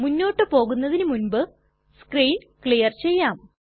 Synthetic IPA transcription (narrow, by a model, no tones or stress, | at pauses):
munːo̞ːʈːɨpo̞ːɣunːɐðinɨmunbɨ | skriːn | kɭijɐrt͡ɕe̞jːaːm